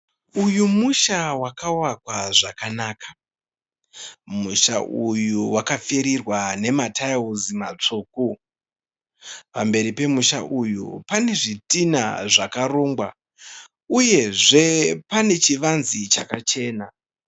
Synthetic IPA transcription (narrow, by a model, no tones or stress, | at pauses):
ujumuʃawakawakwaʐakanaːkḁ | muʃa̰ʔujuwakafeɾirwane̞matʰaiwuzimat͡ʂuːku | pambe̞ɾipe̞muʃa̰ʔujṵpane̞ʐitina̰ʐakaroːŋɡwa̰ | uje̞ʐe̞pane̞t͡ʃiʋanzit͡ʃakat͡ʃe̞ːna